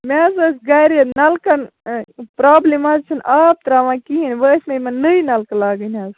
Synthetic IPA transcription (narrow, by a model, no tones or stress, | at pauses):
mɛːzɐsɡaɾenɐlkɐn | pɾaːblimaːzt͡ʃʰɐnʔaːb̚t̪ɾaːʋãːkiinʲʋəːsʲmemɐnɨjnɐlkɐlaːɡənʲaːz